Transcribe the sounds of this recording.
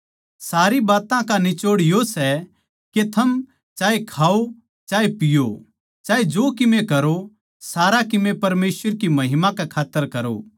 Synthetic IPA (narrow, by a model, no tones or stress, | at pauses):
saːɾibaːt̪ãkanɪt͡ʃoːɽɪjosɛ | ket̪ʰɐm | t͡ʃaːekʰaːo | t͡ʃaːepɪjo | t͡ʃaːed͡ʒoːkɪmẽkɐɾo | saːɾakɪmẽpɐɾmeːsəɾkimɐɦɪmãkɛkʰaːt̪ːəɾkɐɾo̰ː